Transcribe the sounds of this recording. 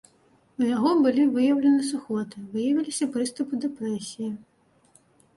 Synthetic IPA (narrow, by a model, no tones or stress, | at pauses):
ujaɣɔbɨlʲivɨjɐwlʲɐnɨsuxɔt̪ɨvɨjɐvʲilʲisʲɐpɾɨst̪upɨd̪ɛpɾɛsʲiji